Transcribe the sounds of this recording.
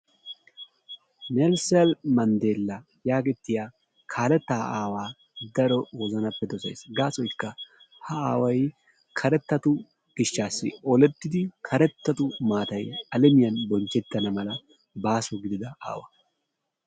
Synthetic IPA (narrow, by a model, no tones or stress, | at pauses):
nɛlsɛlmɐnd̪e̞ːlːɐ | jaːɡɛt̪ːɪjaː | kʰaːlɛt̪ːaːaːwaː | d̪ɐɾɔwɔzɐnɐpːɛd̪ɔsḛːsɡaːsɔjkːɐ | hɐaːwɐj | kʰɐɾɛt̪ːɐt̪ʊ | ɡ̥ɪʃːaːsːɪ̰ɔlɛt̪ːɪd̪ɪkʰɐɾɛt̪ːɐt̪ʊmaːt̪ɐjɐlɛmɪjɐnbɔnt͡ʃːɛt̪ːɐnɐmɐlɐ | baːsɔɡɪd̪ɪd̪ɐʔa̰ːwɐ